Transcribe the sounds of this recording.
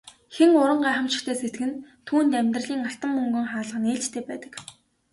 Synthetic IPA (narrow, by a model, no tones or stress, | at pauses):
xeŋʊɾə̆ɴɢæːχə̆mt͡ɕɪ̆xt̪ʰeːset̪ɡɘ̆nt̪ʰuːnt̪æmʲt̪rə̆ɮiːŋaɬt̪ə̆mːɵŋɡɵ̆ŋχaːɮə̆χneːɮt͡ɕt̪ʰeːpæːt̪ə̥̆k